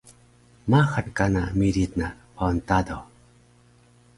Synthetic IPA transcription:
maxənkanamiɾit̪̚naʔpɔnt̪ad̪o

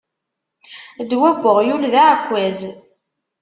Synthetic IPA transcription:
d̪wæɡʷːəʁjulðaʕkʷːæz

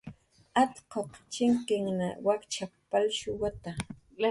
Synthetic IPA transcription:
at̪qoqt͡ʃɪŋkɪŋna̰wakt͡ʃapːalʃʊwat̪a

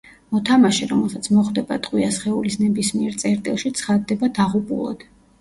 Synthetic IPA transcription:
mɔt̪ʰamaʃɛɾɔmɛlˠsat̪sʰmɔχd̪ɛba̰t̪ʼqʼwiasχɛulisnɛbismiɛɾt̪sʼɛɾt̪ʼilˠʃit̪sʰχad̪ːɛbad̪aʁupʼṵlˠɔ̰d̪̥

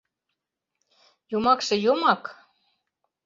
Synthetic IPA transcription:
jomɑkʃɤ̆jomɑk

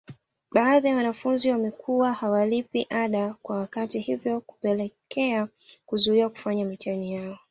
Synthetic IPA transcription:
ɓaːðijawanafunziwamɛkʰuwahawalipiʔaɗakwawakatihivjɔku̥pɛlɛkʰɛa | kuzuiwaku̥faɲamit͡ʃaɲijaɔ

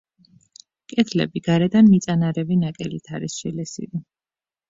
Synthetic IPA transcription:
kʼɛt̪ʰlɛ̰biɡ̥aɾɛd̪anmit̪sʼanaɾɛvinakʼɛlit̪ʰaɾisʃɛlɛsḭli

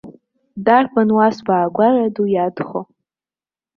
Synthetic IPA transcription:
darpʰʼanwasbaːɡʷaradujadχo

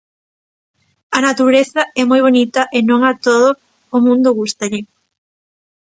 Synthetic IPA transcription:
ɐnat̪uɾeθɐɛmojβ̞onit̪ɐʔɪnõŋat̪oðʊː | mũnd̪ʊɣust̪ɐʎɪ

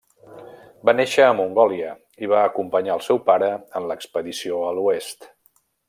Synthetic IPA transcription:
baneʃəːmuŋɡɔliə | iβaəkumpəɲaəlˠsɛwpaɾəənləkspəðisioəluest̪

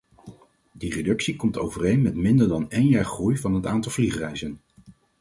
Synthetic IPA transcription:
diredɵksikɔmtowvərejnmɛtmɪndəɹdɑnejnjaːɹχrujvɑnɦətaːntɑlˠvliχrɛjzən

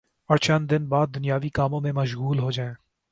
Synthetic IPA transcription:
ɐɾt͡ʃənd̪ɪnbaːd̪̚ːʊnijaːʋikaːmõmẽmɐʃɣuːlɦod͡ʒaːẽː

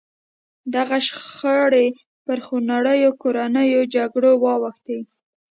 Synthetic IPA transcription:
d̪aɣaʃxaɽe | pəɾxonaɽəjokoɾanəjod͡ʒaɡɽowɑwəxt̪i

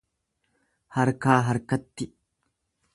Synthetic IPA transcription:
hɐɾkaːɦɐɾkɐt̪ːɪ

